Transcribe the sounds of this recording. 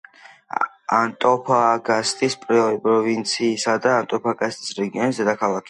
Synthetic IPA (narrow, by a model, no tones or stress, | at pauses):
ant̪ʼɔpʰaɡast̪ʼispʼɾɔpʼɾɔvint̪sʰiːsad̪aːnt̪ʼɔpʰaɡast̪ʼisɾɛɡiɔnisd̪ɛd̪akʰalˠakʰi̥